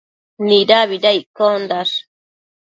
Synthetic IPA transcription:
niɾaβidajkond̪as

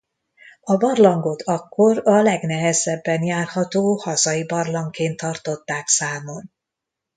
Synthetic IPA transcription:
ɒbɒrlɒŋɡo̞t̪ʰɒkːo̞ɾɒlɛɡnɛɦɛzɛbːɛnjaːrhɒt̪oːhɒzɒjibɒrlɒŋkeːnt̪ʰːɒrt̪o̞t̪ːaːksaːmo̞n

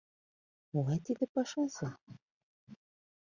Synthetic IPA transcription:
molˠɑjt̪id̪ɘ̆pɑʃɑsɤ̆

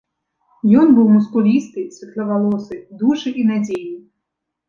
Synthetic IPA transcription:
jɔnbuwmʊskʊlʲist̪ɪjsʲʋʲit̪ʲlʲˠɐʋɐlˠɔsɪd̪uʒɛʔinadʲeji

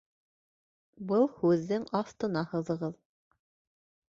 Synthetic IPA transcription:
bɤlˠhʉðːɘŋɑft̪ɤ̆nɑhɤ̆ðɤ̆ʁɤð

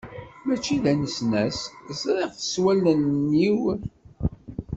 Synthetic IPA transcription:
mæt͡ʃːiðænəsnæszɾˤiʁθə̥swælənːiw

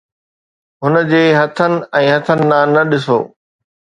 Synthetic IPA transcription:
ɦʊnə̆d͡ʑeːɦɐt̪ʰənɪ̆ɛ̃ːɦɐt̪ʰənɪ̆nãːnɐɗɪso̰ː

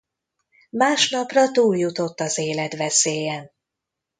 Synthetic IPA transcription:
maːʃnɒprɒt̪uːljut̪o̞t̪ːɒzeːlɛt̪ʋɛseːjɛn

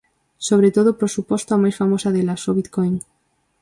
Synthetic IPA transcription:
soβ̞ɾet̪oðopɾosupost̪oamajsfamosaðelasoβit̪kojŋ

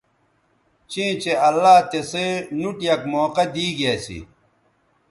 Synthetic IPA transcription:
t͡ɕĩːt͡ɕeɐlːaːt̪esenuʈjɐkmoːqɐd̪iːɡeːsḭ

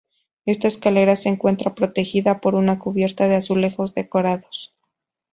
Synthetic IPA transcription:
e̞st̪aeskale̞ɾase̞ːŋkwe̞nt̪ɾapɾo̞t̪e̞xiðapo̞ɾunakuβje̞ɾt̪aðe̞asule̞xo̞zðe̞ko̞ɾaðo̞s

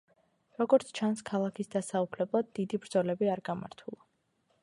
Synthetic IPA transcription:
ɾɔɡɔɾt̪sʰt͡ʃʰanskʰalˠakʰisd̪asaupʰlɛblˠad̪̚ːid̪ibɾd̪zɔlɛbiaɾɡama̰ɾt̪ʰulˠa

